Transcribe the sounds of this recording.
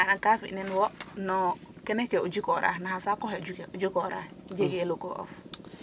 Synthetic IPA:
anakafḭʔnenwonokenekːeud͡ʒikoɾa̰nahasakɔɦed͡ʒukeʔud͡ʒikoɾa̰d͡ʒeɡelukoʔo̰f

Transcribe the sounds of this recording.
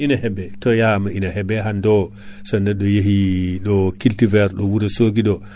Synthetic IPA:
inahɛbɛtɔjamaʔinahɛbɛɦandɔ | sanːɛɗɔjeɦiɗɔkiltivɛɾɗɔwuɾɛsoɡiɗɔ

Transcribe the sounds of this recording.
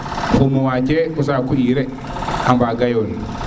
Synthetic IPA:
kumowad͡ʒekus̬akuiɾe | ambaɡajol

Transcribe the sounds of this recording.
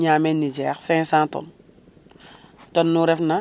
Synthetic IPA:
ɲaːmɛnːid͡ʒɛːxsɛ̃sãːtɔ̰n | tɔnːuɾɛfnɐ

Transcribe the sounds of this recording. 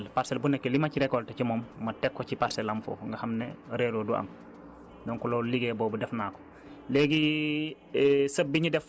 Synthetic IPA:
lpaɾsɛlbunɛkːelimɐciɾɛkɔltɛcimɔmːɐtɛkːɔcipaɾsɛlɐmfɔ̰ːŋɡɐhɐmnɛɾɛloːduʔɐ̰m | dɔŋkulolliɡɛbɔːbudɛfnaːkɔ̥ | lɛɡi | sɐbːiɲidɛf

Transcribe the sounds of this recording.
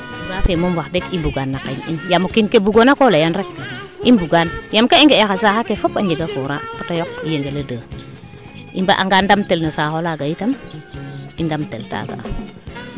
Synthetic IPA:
uɾafemomwaxdekimbuɡanːakinḭnjamukinkebuɡonakolejanɾek̚imbuɡanjamkaiŋɡeexas̬axakefopaɲɟeɡafuɾatatajokijeŋɡeledəː | imba̰ʔa̰ŋɡandamtelnosaxolaɡajitam | indamtelta̰ɡa̰

